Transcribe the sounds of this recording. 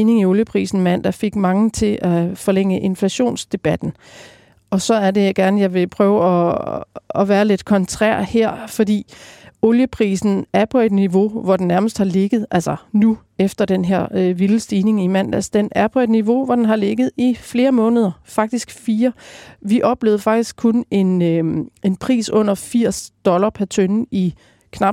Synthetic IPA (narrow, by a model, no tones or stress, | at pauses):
iːne̝ŋioljəpʰʁḭːsn̩mæn̰d̥æfe̝ɡ̥mɑ̈ŋət͡sʰe̝ʔæfɒ̽leŋ̰əʔe̝nflæɕo̝̰ːnsd̥e̝b̥æd̥n̩ | ɒ̽sɒ̽æɐde̝ɡ̥æɐnəjɑ̈ɪʋe̝pʰʁœːʊɒ̽ | ɒʋæːɐle̝d̥kʰɒ̽nt͡sʰʁæ̰ɐ̰heɐ̰fɒ̽d̥ḭːo̝ljəpʰʁḭːsn̩æɐpʰɒ̽e̝d̥niʋo̝ʋɒd̥enːæɐməsd̥hɑ̈le̝ɡ̥ð̩ˠʔælsɐnu | efd̥ɐd̥enɦeɐ̰øʋiləsd̥iːne̝ŋimæn̰d̥æsd̥enʔæɐpʰɒ̽e̝d̥niʋo̝ʋɒd̥enɦɑ̈le̝ɡ̥ð̞̩ˠifle̝ːɐmɔ̽ːnəð̞ˠɐfɑ̈ɡ̥̚d̥isɡ̥fiːɐʋiʔɒ̽b̥le̝̰ːðˠfɑ̈ɡ̥̚d̥isɡ̥̚kʰːɔne̝nøe̝npʰʁḭːsɔ̽n̰ɐfiɐ̰sd̥ɒ̽lɐpʰæɐt͡sʰøni | kʰnɑ̈b̥